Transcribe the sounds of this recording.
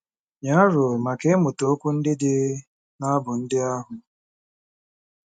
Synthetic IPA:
ɲa˦ɾʊ˨ma˨ke˦mʊ˨to˨˦o˦kʷu˦n̩˦dɪ˦dɪ˦ | na˦bʊ˨n̩˦dɪ˦a˦ɦʊ˨

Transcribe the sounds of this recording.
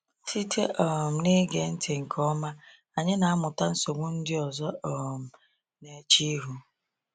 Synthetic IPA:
ti˦tʰe˦ʔɔ˨m̩˨ne˦ɡe˨n̩˦tʰɪ˨ŋ̩˨kʰɔ˦ma˦ | a˨ɲɪ˦na˨a˦mʊ˨ta˦n̩˦so˨ŋʷʊ˦n̩˦dɪ˦ɔ˨zɔ˦ɔ˨m̩˨ | ne˨˦t͡ʃi˦ɦu˦

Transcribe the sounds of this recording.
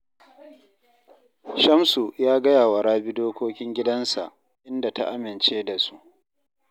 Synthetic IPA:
ʃɐ˦msu˨jaː˦ɡɐ˦jaː˨wa˨ɽaː˦bi˦doː˦kʷoː˦kʲɪ˦ŋɡʲɪ˦dɐ˦nsa̰˨ʔ | ʔɪ˦nda˨ta̰˦ʔa˦mɪ˨nt͡ʃeː˦da˨su˦ʔ

